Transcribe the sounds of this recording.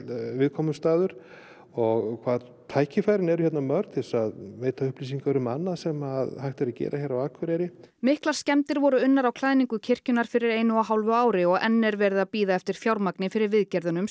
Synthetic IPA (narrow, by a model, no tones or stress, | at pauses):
vɪðkʰɔmʏst̪aːðʏɾ̥ | ɔɣkʰvaːð | t̪ʰaːjcɪfajɾɪnɛɾʏçɛt̪namœɾt̪θɛlsaðvejt̪aʏhpliːs̬iŋkaɾʏmanːaðsɛmaðhajht̪ɛɾacɛ̰ːɾʔaçɛjɾawakʰvɛɾɛɾɪmɪhklḁscɛmt̪ɪɾvɔɾʏʏnːaɾawkʰlaːðniŋkʏcʰɪr̥cʏnaɾ̥fɪɾɪɾeːjnʏaɦawlvʏaːwɾɪɔɣɛ̰nːɛɾvɛɾðapiːðaɛft̪ɪɾ̥fjawɾmaknɪfɪɾɪɾvɪðcɛɾðʏnʏm